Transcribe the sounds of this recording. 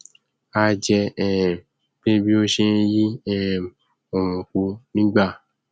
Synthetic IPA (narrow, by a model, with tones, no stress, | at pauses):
a˧d͡ʒɛ˧ɛ˦˨ | be˦bi˦o˦ʃe˧ji˦ɛ˦ | ɔ˨wɔ̃˨ku˨˦nĩ˦ɡ͡ba˦˨